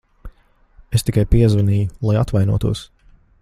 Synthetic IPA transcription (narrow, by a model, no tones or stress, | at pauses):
est̪ikajpiɛzvaniːjulˠajat̪vajnṵɔt̪uɔs